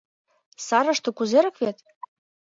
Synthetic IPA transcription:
sɑɾɤ̆ʃt̪okuzeɾɤ̆kβet̪

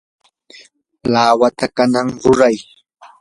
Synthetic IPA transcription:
laːwat̪akanaŋɾʊɾaj

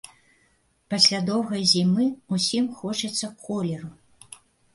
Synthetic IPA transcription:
pɐsʲlʲad̪ɔwɣɐjzʲimɨusʲimxɔt͡ʂɐt̪sːɐkʰɔlʲɛɾu

